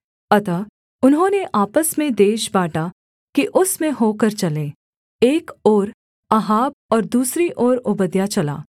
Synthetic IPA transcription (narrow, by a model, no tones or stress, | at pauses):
ɐt̪a | ʊnɦõːneʔaːpəsmẽd̪eːʃbaːʈa | kiʔʊsmẽɦoːkɐɾt͡ʃɐlẽː | eːkoːɾ | aɦaːb̚ɔːɾd̪uːsɾiʔɔːɾʊbəd̪jat͡ʃɐla̰ː